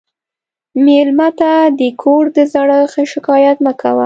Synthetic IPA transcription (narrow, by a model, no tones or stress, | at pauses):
melmat̪ad̪əkʰoɾd̪əzaɽəxəʃɪkɑjat̪nakʰawa̰